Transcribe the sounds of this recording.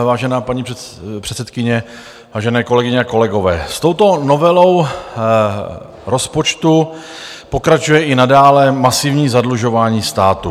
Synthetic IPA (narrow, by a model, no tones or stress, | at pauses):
vaːʒɛnaːpaɲipr̥ɛt̪sɛt̪kɪɲɛ | vaːʒɛnɛːko̞lɛɡɪɲɛako̞lɛɡo̞vɛːst̪o̞wt̪o̞no̞vɛlo̞w | ɾo̞spo̞t͡ʃt̪u | po̞kɾat͡ʃujɛʔɪnadaːlɛmasɪvɲiːzadluʒo̞vaːɲiːst̪aːt̪u